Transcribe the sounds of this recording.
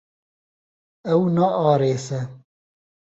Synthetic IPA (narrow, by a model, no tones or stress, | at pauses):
ɛwnɑʔɑːɾeːsɛ